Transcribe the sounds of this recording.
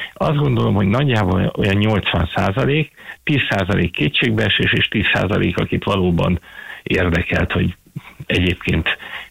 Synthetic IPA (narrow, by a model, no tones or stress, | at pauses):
ɒzd̪ɡo̞nd̪o̞lo̞mho̞ɟnɒɟːaːboo̞jɒɲɲo̞lt̪sʋɒnsaːzɒleːkt̪iːsːaːzɒlʔeːkːeːtt͡ʃeːɡbɛʃeːʃeːʃt̪iːsːa̰ːzɒlʔḛːkɒkit̪ʋɒloːbɒ̰neːrd̪ɛkɛlt̪ho̞̰ɟ | ɛɟeːpkʰeːnt̪